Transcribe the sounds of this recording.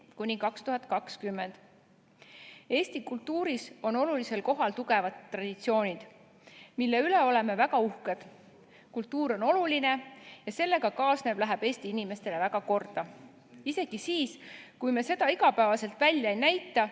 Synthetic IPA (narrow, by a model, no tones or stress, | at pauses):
kunʲikɑkst̪uɦɑt̪ˑkɑkskymːe̞nd̪̥ | e̞ːst̪ikult̪ːuːɾiso̞no̞lulise̞lko̞ɦɑlt̪uɡe̞vɑt̪ːrɑd̪̥it̪sio̞ːnʲid̪̥ | milːe̞yle̞o̞le̞me̞væɡɑuhked̪̥ | kult̪ːuːɾo̞no̞luline̞jɑse̞lːe̞ɡ̥ɑkɑːsne̞b̥læɦeb̥e̞ːsʲt̪iinʲime̞st̪e̞le̞vækɑko̞rd̪̥ɑ | ise̞ɡ̥isiːskujme̞se̞d̪̥ɑiɡɑpæevɑse̞lt̪ˑvælʲjɑejnæjt̪ːˑɑ